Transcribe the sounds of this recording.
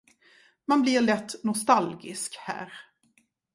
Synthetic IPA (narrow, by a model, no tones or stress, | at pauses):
manblɪɾɭɛt̪ːnɔst̪alɡɪ̰skhæ̰ːɾ